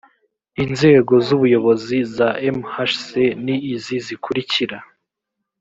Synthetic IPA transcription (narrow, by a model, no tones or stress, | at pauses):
inze̞ːɡo̞zuβujo̞βo̞zizaemhaʃseniːzizikʰuɾiciɾa